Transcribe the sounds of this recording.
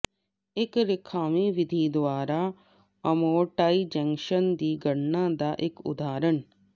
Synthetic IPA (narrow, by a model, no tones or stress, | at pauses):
ɪkɾɪkʰaːmiʋɪd̪ʱid̪ʋaːɾa | ɐmoːʈaːid͡ʒɛ̃ŋkʃənd̪iːɡəɽnad̪aʔekʊ̰d̪ʱaːɾəɳ